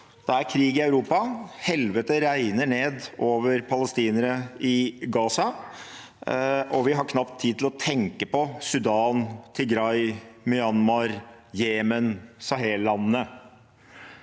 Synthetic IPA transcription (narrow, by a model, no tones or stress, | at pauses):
d̪̥ɑæɾkʰɾiːɡɪɑʉɾuːpɑhɛlʋət̪əɾæɪnəɳeːd̪oːʋəɾpʰɑləst̪iːnəɾəɪɡɑːsɑ | ʔɔʋɪɦɑɾkʰnɑpt̪ʰːiːd̪t̪ʰɪlɔt̪ʰɛŋkəpɔsʉd̪ɑːnt̪ʰɪɡɾɑɪmʏɑnmɑɾjeːmənsɑɦeːllɑnːə